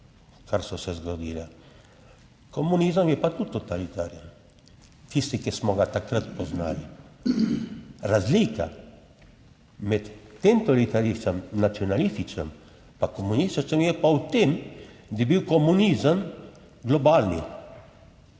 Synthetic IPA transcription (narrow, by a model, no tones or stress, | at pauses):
kaɾsɔsɛzɡɔd̪ila | komunizəmjɛpat̪ut̪ot̪alit̪aːɾiən | t̪ist̪ikismɔɡat̪akɾət̪pɔzna̰ːli | ɾazlika̰ | mɛt̪ːemt̪olit̪aɾist̪əmnat̪siɔnalist̪it͡ʃəm | pakomunist̪it͡ʃəmjɛpaut̪emd̪ibiwkɔmunizəm | ɡlɔbalni